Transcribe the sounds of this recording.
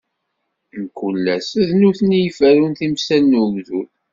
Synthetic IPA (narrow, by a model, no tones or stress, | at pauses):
nkːulːæsæðnuθnijfæɾunθimsænːumðul